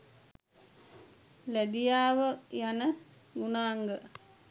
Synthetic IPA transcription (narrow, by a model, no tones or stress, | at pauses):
læd̪ijaːʋəjanə | ɡunaːŋɡə